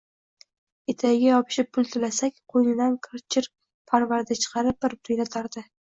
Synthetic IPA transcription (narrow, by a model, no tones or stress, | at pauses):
et̪ʰaɪɡʲajɒpʰɪ̥ʃɪp̚ʰːʊlˠt̪ʰɪlasakʲqʰojnɪd̪ankʰɪɾt͡ʃʰɪɾ | pʰaɾvaɾd̪at͡ʃʰɨ̥qʰɑɾɪp̚bɪɾbɪɾɪjlat̪ʰaɾd̪ɪ